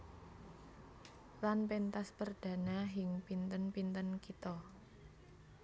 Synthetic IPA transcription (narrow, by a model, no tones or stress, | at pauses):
lanpent̪aspərd̪̥ä̤naɦɪŋpint̪ənpint̪ənkit̪ɔ